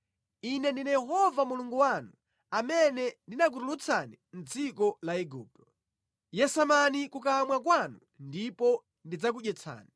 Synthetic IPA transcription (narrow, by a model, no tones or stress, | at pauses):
inɛndinajɛɦɔvamuluŋɡuwanu | amɛnɛndinak̬uɾulut͡sʰanin̩d͡zikɔlaɛɡuːp̚tɔ̥ | jɛsamanikukamwakwanu | ndipɔ | ndid͡zak̬uɗjɛt͡sʰa̰ːni